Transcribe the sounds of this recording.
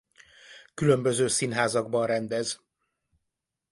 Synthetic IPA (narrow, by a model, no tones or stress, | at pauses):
kylø̞mbø̞zøːsinɦaːzɒɡbɒnrɛnd̪ɛz